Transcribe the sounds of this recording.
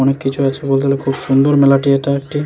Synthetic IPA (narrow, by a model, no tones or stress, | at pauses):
ɔnekːit͡ɕʰuat͡ɕʰebolt̪ʰilekʰubʃund̪oɾmelaʈieʈaek̚ʈi